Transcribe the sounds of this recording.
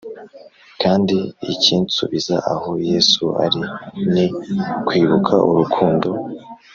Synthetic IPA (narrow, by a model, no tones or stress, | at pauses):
kaːndiiciːnt͡sṵβizaʔaho̞jeːsua̰ɾinikwiːβukʰaʔuɾukʰuːndo̞